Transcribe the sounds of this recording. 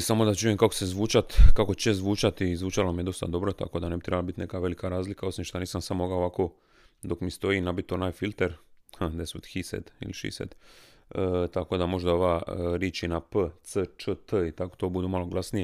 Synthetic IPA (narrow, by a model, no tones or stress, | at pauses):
samo̞d̪at͡ʃujemkako̥sezʋuːt͡ʃat̪kako̞t͡ɕezʋuːt͡ʃat̪izʋuːt͡ʃalo̞mije̞d̪o̞st̪a̰d̪o̞bɾo̞t̪a̰kod̪ane̞bit̪ɾebalabit̪nekaʋe̞likaɾaːzlikao̞simʃt̪aniːsamsamoɡaoʋako̞ | d̪o̞kmist̪o̞iːnabit̪ːonaːjfilʲt̪eɾad̪esut̪xisḛd̪ḭliʃḭsḛd̪ | t̪ako̞ːd̪amo̞ʒd̪aoʋaːɾiːt͡ʃinapət̪sət͡ʃət̪əit̪ako̥t̪o̞ːbud̪uːmalo̞ɡlˠasnije